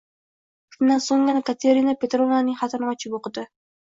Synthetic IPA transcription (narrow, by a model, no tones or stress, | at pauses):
kʰɪnd̪ansoŋɡanakʰat̪ʰeɾinapʲet̪ɾovnanɪŋχat̪ʰanmɑt͡ʃʰɪboqɨd̪ɪ